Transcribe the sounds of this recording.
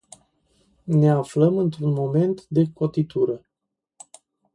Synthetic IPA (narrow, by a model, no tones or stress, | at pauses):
ne̞afləmɨnt̪ɾunmo̞me̞nt̪d̪e̞ko̞t̪it̪uɾə